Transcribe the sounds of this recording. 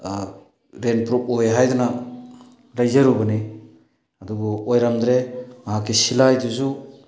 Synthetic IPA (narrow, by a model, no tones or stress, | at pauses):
ɾenpɾup̚ojɦajduna | lajzaɾubɯni | adubɔojɾamdɾemaɦakʰisilajduzu